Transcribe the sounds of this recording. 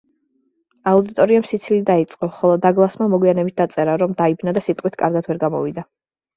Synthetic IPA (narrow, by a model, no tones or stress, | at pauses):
aud̪it̪ʼɔɾiamsit̪sʰilid̪ait̪sʼqʼɔχɔlˠɔd̪aɡlˠasmamɔɡwianɛbit̪̚d̪at̪sʼɛɾaɾɔmd̪aibnad̪asit̪ʼqʼwit̪ʰkʼaɾɡad̪ʰvɛɾɡamɔ̰vid̪a